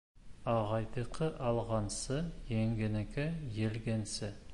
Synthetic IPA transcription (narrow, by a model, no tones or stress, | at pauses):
ɑʁɑjd̪əqʰəʔɑlˠʁɑnsəjeŋɡʲɪnɪkʲɪjelɡʲensɪ